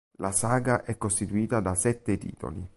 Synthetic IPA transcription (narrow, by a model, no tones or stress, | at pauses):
lasaːɡaʔɛkːost̪it̪uiːt̪ad̪asɛt̪ːet̪ḭːt̪o̰li